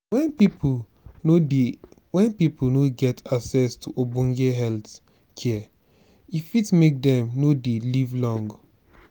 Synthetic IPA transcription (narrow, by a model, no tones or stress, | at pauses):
wɛnpip | oewɛ̃npipnoɡɛtaksɛstʰuʔobũŋɡeɦɛlt | kʰɛ | ifitmek̚dɛ̃mnodelivlɔ̃ŋɡ